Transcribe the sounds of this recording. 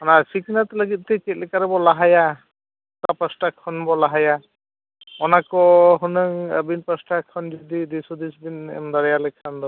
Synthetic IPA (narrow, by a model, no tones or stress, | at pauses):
ɔnasiknat̪ləɡit̪̚ˀt̪ɛkɛt̪̚lɛkaɾɛbɔlaɦaja | t̪apasʈakʰːɔnbɔlaɦaja | ɔnakɔɦɔnɯŋə̰binpəsʈakʰɔnd͡ʒɔd̪id̪isɔd̪isbin̰md̪aɾjalɛkʰːand̪ɔ